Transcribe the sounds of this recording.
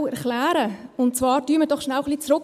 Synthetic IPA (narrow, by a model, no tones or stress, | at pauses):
ɛɾklæːɾəʊntt͡svɑːɾdyːmədɔχʃnæwχlit͡sɾʊk